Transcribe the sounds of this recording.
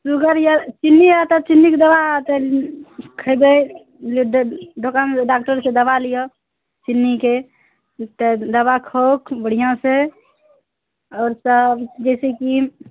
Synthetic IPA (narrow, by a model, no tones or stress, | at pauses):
suɡəɾjat͡ʃinːiat̪ət͡ʃinːiked̪əbat̪ə | kʰəjb̪əj | lɖʱokanɖak̚ʈəɾsẽd̪əbalijɔ | t͡ʃinːike | t̪əd̪əbakʰokbəɽ̤ijãse | ɔːɾsəbd͡ʒɛɪseki